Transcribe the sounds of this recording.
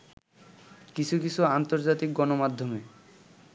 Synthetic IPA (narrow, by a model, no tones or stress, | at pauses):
kit͡ɕʰukit͡ɕʰuant̪oɾd͡ʑat̪ik̚ɡɔnomad̪ʱːome